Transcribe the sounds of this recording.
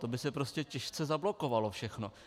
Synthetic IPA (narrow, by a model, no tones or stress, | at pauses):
t̪o̞bɪsɛpɾoscɛcɛʃt͡sɛzablo̞ko̞valofʃɛxno̞